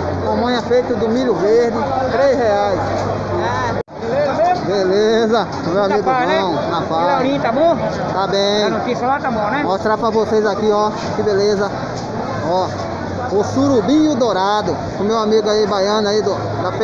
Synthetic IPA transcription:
mɐ̃mɐ̃ɲ̃ɐfejt̪ʊd̪ʊmiʎʊveɾd̪ɪt̪ɾejzheajs | lezbelezɐkmewamiɡʊɡɐ̃w̃nɐfawɾĩt̪abõ | t̪abẽj̃not̪isɐlat̪abõnɛmoʃt̪ɾapɾɐvosejzakiɔ | kɪbelezɐ | ɔ | ʊsuɾubĩʊd̪oɾad̪ʊ | kõmewamiɡʊaibajɐ̃nʊaid̪ʊ | d̪ap

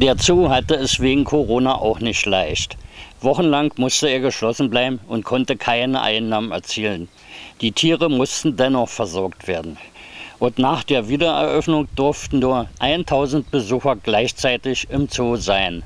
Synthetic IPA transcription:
d̥eːɐt͡soːɦatəɛsveːɡŋ̩kʰoʁoːnaʔa̰ʊχnɪçtlaɪçtv̥ɔχn̩laŋkmʊstəeːɐɡəʃlɔsn̩blaɪbm̩ʊntkʰɔntəkʰaɪnə̰ʔa̰ɪnːaːmənɛ̰ɐt͡siːlən | d̥iːtʰiːʁəmʊstn̩dɛnɔχfɛɐzɔɐktv̥eːɐdn̩ | ʔʊntnaːχd̥eːɐviːdɐɛ̰ɐʔœfnʊŋd̥ʊɐftn̩nuːɐʔaɪntʰaʊzn̩t̚b̥əzuːxɐɡlaɪçt͡saɪtɪçɪmt͡soːzaɪn

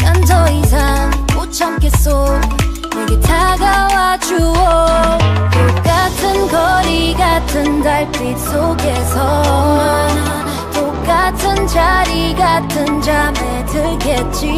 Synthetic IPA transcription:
kantʰʌisʰaot͡ɕʰʌmk͈es͈o | jʌɡitʰaɡawad͡ʑuo | tok͈atʰɯnɡʌɾiɡatʰɯndaɭpis͈oɡesʰʌ | to | k͈atʰɯnt͡ɕaɾiɡatʰɯnd͡ʑamedɯɭɡet͡ɕi

